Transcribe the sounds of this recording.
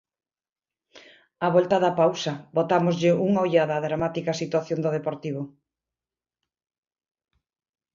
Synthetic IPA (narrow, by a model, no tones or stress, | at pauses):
aβɔlt̪ɐðɐpawsɐbot̪amozʎɪuŋojʎaðɐðɾamat̪ikɐsit̪waθjond̪oðepoɾt̪iβʊ